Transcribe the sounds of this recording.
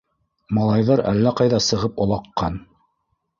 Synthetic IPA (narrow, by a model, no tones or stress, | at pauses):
mɑlˠɑjðɑɾæ̰lːæqɑjðɑsɤ̆ʁɤpŏlˠɑqːɑn